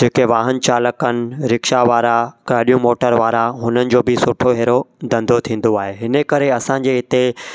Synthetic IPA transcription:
d͡ʑeːkeʋaːɦən̆t͡ɕaːləkənɪ̆ɾɪkʃaʋaːɾakaːɗijũmoːʈəɾʋaːɾaɦʊnənɪ̆d͡ʑoːbɪsʊʈʰoɦeːɾod̪ɐ̃nd̪ʱot̪ʰĩːn̆d̪oaːɦeɦɪnəkɐɾeɐsãːɲ̆d͡ʑeːɦɪt̪e

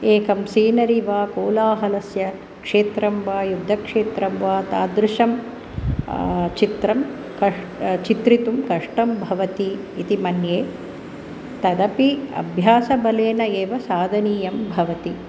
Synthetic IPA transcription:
eːkɐmsiːnɐɾiʋaːkoːlaːɦɐlɐsjɐ | kʂeːt̪ɾɐmʋaːjud̪ʱːɐkʂeːt̪ɾɐmʋaːt̪aːd̪ɾuʃɐm | t͡ʃit̪ɾɐm | kɐ | t͡ʃit̪ɾit̪umkɐʂʈɐmbʱɐʋɐt̪iː | t̪imɐnjeː | t̪ɐd̪ɐpiɐ̰bʱjaːsɐbɐleːnɐeːʋɐsaːd̪ʱɐniːjɐmbʱɐʋɐt̪i

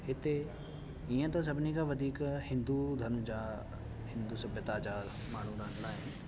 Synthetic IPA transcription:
hɪt̪e | iə̃t̪ɐs̬ɐbnikaʋɐd̪ʱiːkhɪ̃nd̪ud̪ʱɐnd͡ʒaː | hɪ̃nd̪usɐbjət̪aːd͡ʒaːɾmaːɳ̤ũɾãːnlaːɪn

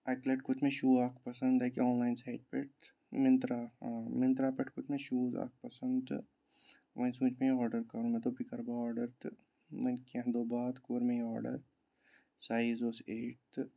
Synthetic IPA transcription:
ɛkleʈkʊt̪mẽʃuːaːkʰpɐsə̃nd̪ɛkeɔːnlaːɪnsaːɪɖ̚peʈ | mɪ̃nt̪ɾaːmɪ̃nt̪ɾaːpeʈkʊt̪mẽʃuːza̰ːk̚pɐsənd̪ | ʋʔɐ̃nsũːt͡ʃmẽɔːɾɖəɾkɐɾũmẽt̪opikɐɾbaɔːɾɖəɾt̪ | mɐnkiɐ̃ɦd̪oːbaːd̪koːɾmẽɔːɾɖə̰ɾ | saːizoːseːʈ̪

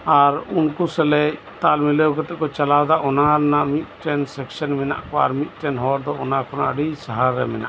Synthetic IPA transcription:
aɾunkusɛlɛ | t̪almilɛwkɛt̪ɛʔkɔt͡ʃalawd̪aʔɔnaɾnaʔmit̪̚ˀʈɛnsɛksanmɛna̰ʔkɔa̰ɾmit̪̚ˀʈɛnɦɔɾd̪ɔɔnakʰɔna̰ʔɖisaɦaɾːɛmɛna̰ʔ

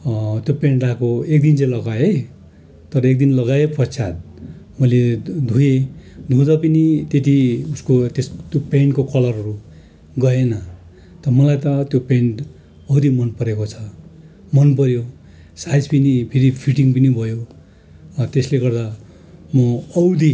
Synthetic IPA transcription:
t̪jopeɳʈrakoekd̪int͡sajlʌɡajej | t̪ʌɾʌek̚d̪inlʌɡajepʌt͡sʰat̪̚ | mʌled̪ʱujed̪ʱũd̪ʌpʌnit̪et̪iuskot̪est̪jopeɳʈkokʌlʌrɦʌɾu | ɡʌenʌ | t̪ʌmʌlajt̪ʌt̪jopeɳʈ | ʌwd̪imʌnpʌɾekot͡sʰʌ̥ | mʌnpʌɾjo | sajd͡zpʌnipʰiɾipʰiʈiŋpʌnibʱʌjo | t̪esleɡʌrd̪a | mʌʌwd̪i

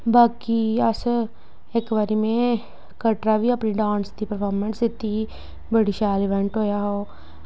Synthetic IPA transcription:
baːkiɐs | ekʋəɾimẽ | kəʈɾabʱiɐpniɖãːnst̪ipəɾpʰoːɾmə̃nsɪt̪ːi | bəɽiʃaːlɪʋɛ̃ɳʈɦoːjaɦoː

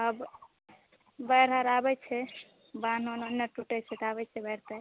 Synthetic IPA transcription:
əb | bəjɾɦəɾabɛt͡ʃʰɛ | ban̤ononːəʈuʈɛt͡ʃʰɛt̪abɛt͡ʃʰɛbəɾt̪ɛ

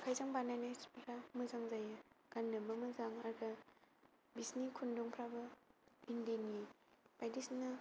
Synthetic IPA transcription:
kʰajzaŋbanajnajspʰɾamɯzaŋzajɯɡ̥anːɯbɐmɯzaŋaɾɡa | bisnikʰunduŋpʰɾabɐindeni | b̥ajdisnɐ

